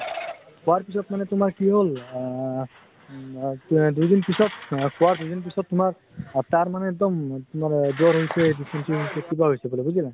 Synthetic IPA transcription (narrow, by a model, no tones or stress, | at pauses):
kɔwaɹpisɔtmanɛtʊmaɹkiɦol | dujdinpisɔtkɔwaɹdujdinp̬isɔtːʊmaɹ | taɹmanɛːk̚d̪ɔmtʊmaɹzɔɹɦojsɛdipʰɛnsʰiopekibaɦojsɛbɔlebuzila